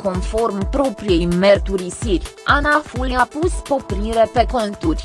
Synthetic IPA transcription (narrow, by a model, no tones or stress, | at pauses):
ko̞nfo̞rmpɾo̞pɾije̞jme̞rt̪uɾisirʲanafuljapuspo̞pɾiɾe̞pe̞ko̞nt̪urʲ